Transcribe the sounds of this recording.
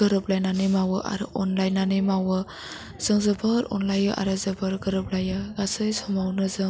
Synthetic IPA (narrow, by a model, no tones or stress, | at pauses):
ɯɾɯp̚lajnanɯjmawɯʔa̰ɾɯ̰ʔɔnlajnanɯmawɯ | z̥ɯŋzɯbɯɾɔ̰nlajɯʔa̰ɾɯzɯbɯɾɡəɾɯp̚lajɯɡasɯjsɔmawnɯzɯŋ